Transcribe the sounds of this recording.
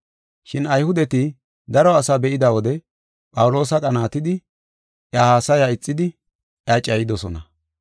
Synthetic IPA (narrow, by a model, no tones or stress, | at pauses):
ʃɪnɐjhʊd̪ɛt̪ɪ | d̪ɐɾɔɐsabɛʔɪd̪ɐwɔd̪ɛ | pʼɐwʊlo̞ːsɐkʼɐnaːt̪ɪd̪ɪ | ʔjahaːsɐjaɪt͡sʼːɪd̪ɪ | jɐt͡ʃʼɐjɪd̪ɔsɔnɐ̰